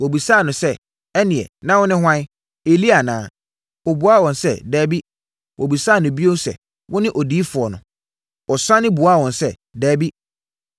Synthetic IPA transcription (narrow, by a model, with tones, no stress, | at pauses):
wɔ˨bi˨saː˦˨nʊ̃˨sɛ˦ | ɛ˦nɪ̃˨ɛ̰˨nã˦wʊ˦nɪ̃˦ɦwã˦ | e˨li˦a˨nãː˨˦ | ɔ˨bu˨˦a˦˨wɔ̃˨nsɛ̰˦dɛː˦bi˦ | wʔɔ˨bi˨saː˦˨nʊ̃˨bi˦o˦sɛ̰˨ | wʊ˦nɪ̃˦ʔɔ˨diː˦fʊ˨ɔ˨nʊ̰̃˨ | ɔ˨sã˦nɪ̃˦bu˨a˦˨wɔ̃˨nsɛ˦˨ | dɛː˦bi˦